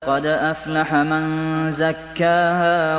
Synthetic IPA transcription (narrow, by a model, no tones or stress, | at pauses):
qɑd̪ʔaflaħamanzakːaːhaː